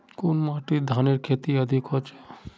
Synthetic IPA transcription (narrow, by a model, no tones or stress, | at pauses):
konmaʈid̪ʱaneɾkʰet̪iəd̪ʱikɔt͡ʃe